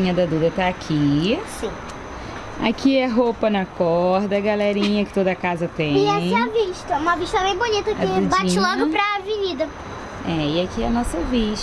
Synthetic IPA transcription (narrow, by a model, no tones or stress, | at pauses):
ĩɲɐd̪ɐd̪ud̪ɐt̪aːkʰisĩ | a̰kʰiɛɦopɐnɐkɔɾd̪ɐɡalɛɾĩɲɐkɪ̥t̪od̪ɐkazɐt̪ẽɪãj̃iaviʃt̪ɐɛũmɐviʃt̪ɐmẽj̃bunit̪ɐɪbbat͡ʃɪlɔɡʊpɾɐvɪɲid̪ɐ | ɛɪakiɛnɔsɐviʃ